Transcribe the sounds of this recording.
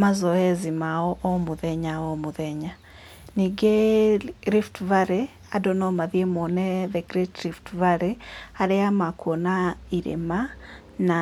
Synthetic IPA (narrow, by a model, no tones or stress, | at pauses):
mazɔɛzimaɔʔɔmuðɛɲaɔmuðɛɲa | niɡɛ | ɾiftvaɾe | adɔnɔmaðiɛmɔnɛðɛɡɾɛtɾiftvaɾeaɾeamakɔnaiɾḛma | na